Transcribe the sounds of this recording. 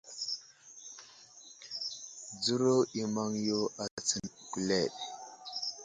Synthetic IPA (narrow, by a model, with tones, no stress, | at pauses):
d͡zu˦ɾo˦i˨ma˦ŋjo˦a˨t͡sə˦nku˨le˦˨ɗ